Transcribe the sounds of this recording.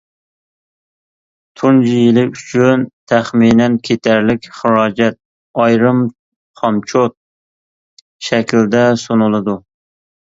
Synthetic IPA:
t̪ʰund͡ʒijilɪyt͡ʃʰynt̪ʰæχminɛnkʲʰet̪ʰæɾlɪkʲχɨɾɑːd͡ʒɛt̪̚ | ɑjɾɨm | χɑmt͡ʃʰot̪̚ | ʃɛkʲld̪ɛsonɨlˠɨd̪u

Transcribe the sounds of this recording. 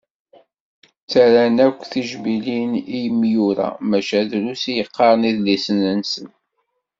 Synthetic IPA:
t͡sːæɾænækʷːθiʒbilinijəmːjuɾæ̰mæʃæðlusijəqːɑɾˤniðlisənənsən

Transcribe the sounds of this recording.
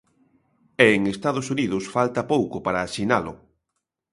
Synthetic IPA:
ɛːŋest̪að̞ʊsuniðʊsfalt̪apowkʊpaɾaːʃinalʊ̰

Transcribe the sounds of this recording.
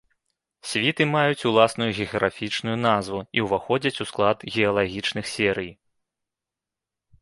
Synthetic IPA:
sʲvʲit̪ɨmajut͡sʲulˠasnujuɣʲɛɣɐɣɾafʲit͡ʂnujunazvuiwvaxɔd͡zʲɐt͡sʲusklˠad̪ɣʲɛɐlˠaɣʲit͡ʂnɨxsʲɛɾɨj

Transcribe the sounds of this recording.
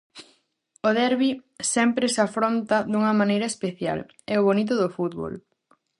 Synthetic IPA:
oðɛɾβisɛmpɾesafɾont̪ɐðuŋɐmãnejɾɐespeθja̰l | ɛʊβonit̪̬ʊðʊfut̪βo̰l

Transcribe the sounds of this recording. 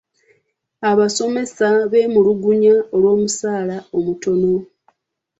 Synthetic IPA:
aβaso̞me̞saβe̞ːmuluɡuɲao̞lwo̞ːmusaːlao̞muto̞no

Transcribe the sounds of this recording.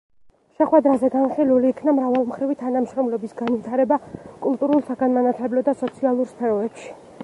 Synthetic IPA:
ʃɛχwɛd̪ɾazɛɡanχiluliːkʰnamɾavalˠmχɾivit̪ʰanamʃɾɔmlɔbisɡanvit̪ʰaɾɛbakʼulˠt̪ʼuɾulˠsaɡanmanat̪ʰlɛblɔd̪asɔt̪sʰialˠuɾspʰɛɾɔɛpʃi̥

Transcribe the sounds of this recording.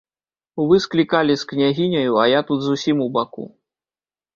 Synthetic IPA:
uvɨsklʲikalʲisknʲaɣʲinʲɐjuɐjat̪ud̪zusʲimubakṵ

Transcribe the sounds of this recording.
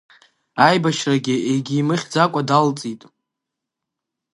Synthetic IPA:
ajbaʃraɡʲɪeɡʲiːmɨχʲd͡zakʷʼadalt͡sʼitʼ

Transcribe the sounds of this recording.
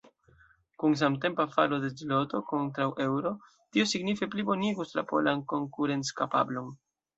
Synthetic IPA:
kuns̬amte̞mpafalo̞de̞d͡ʒilo̞to̞ko̞ntɾawʔe̞wɾo̞ | tiosiɡnife̞plibo̞niɡuslapo̞̰lanko̞ŋkuɾe̞nt͡skapa̰blo̞n

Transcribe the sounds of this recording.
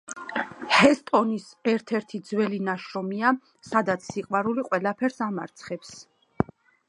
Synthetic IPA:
hɛst̪ʼɔnisɛɾt̪ʰɛɾt̪ʰid̪zwɛlinaʃɾɔmia | sad̪at̪sʰːiqʼwaɾuliqʼwɛlapʰɛɾsama̰ɾt̪sʰχɛps

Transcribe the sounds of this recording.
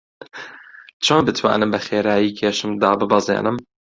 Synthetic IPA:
t͡ʃʰoːmbɨt̪ʰwa̰ːnɨmbɛxeːɾaːjiːkʰeːʃɨmd̪ɑːbɨbɑzḛːnɨm

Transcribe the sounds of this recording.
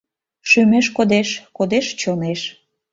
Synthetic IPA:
ʃymeʃkod̪eʃkod̪eʃt͡ɕoneʃ

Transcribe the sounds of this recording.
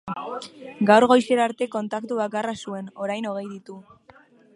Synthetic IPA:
ɡawɾɣ̞o̞jse̞ɾaɾt̪e̞ko̞nt̪akt̪uβakarasue̞no̞ɾajno̞ɣ̞e̞jðit̪u

